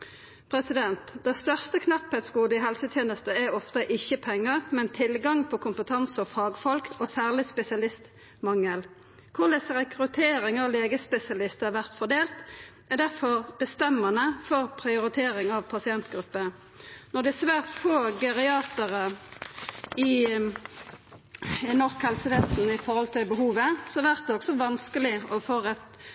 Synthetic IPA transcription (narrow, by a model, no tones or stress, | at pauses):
pʰʁɛsɪd̪ɛnt̪d̪ɛst̪œʁst̪əkʰnɑphɛːt̪skuːd̪əɪɦɛlsət̪ʰjeːnəst̪əæɔft̪əʔɪçːəpʰɛŋːəʁmɛnt̪ʰɪlɡɑŋpʰɔkʰʊmpət̪ʰɑnsɔfɑːɡfɔlkɔːsæːʁlɪspɛsɪɑlɪst̪ | mɑŋːəl | kʰʊlɛsʁɛkʁʉt̪ʰeːɾɪŋɑʋleːɡəspɛsɪɑlɪst̪æʋæʁt̪fɔʁd̪eːlt̪ | æd̪æʁfɔʁb̥əst̪ɛmːɑnəfɔʁpʰʁɪʊɾɪt̪ʰeːɾɪŋɑʋpʰɑsɪɛnt̪ɡɾʉpːə | nɔd̪ɛsʋæːʁt̪foːɡɑʁɪɑːt̪əʁə | ɪ | ɪnɔʁskhɛlsəʋɛsnɪfɔʁhɔlt̪ʰɪlbəɦuːʋəsɔʋæʁt̪̚d̪ɛɔksɔʋɑnskəlɪɔfoːʁɛt̪